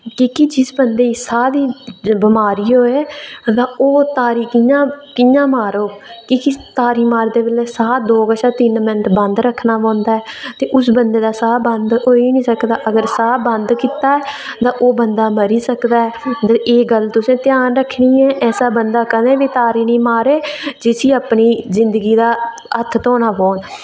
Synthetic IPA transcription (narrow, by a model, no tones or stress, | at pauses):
kikɪd͡ʒɪsbənd̪eːsaːɾiːbɪmaːɾiːɦoːeːt̪ãːoːt̪aːɾiːkɪjãːkɪjãːmaːɾoːkɪkɪt̪aːɾiːmaːɾd̪eːbəlɛːsaːd̪oːkəʃaːt̪ɪnmɪnəʈ̪bə̃nd̪ɾəkʰːnaːpãːnd̪aːɛːt̪eːʔʊsbənd̪eːd̪aːsaːbənd̪ɦoːiːnĩːsəkd̪aːʔəɡəɾsaːbənd̪kiːt̪aːɛːt̪ãːʔoːbənd̪aːməɾiːsəkd̪aːɛːeːɡəlt̪ʊsẽːt̪ɪjaːnɾəkʰːniːɛːʔɛːsaːbənd̪aːkənẽːʋiːt̪aːɾiːnĩːmaːɾeːd͡ʒɪsiːəpniːzɪnd̪əɡiːd̪aː | ət̪ʰt̪ɔːnaːpoːn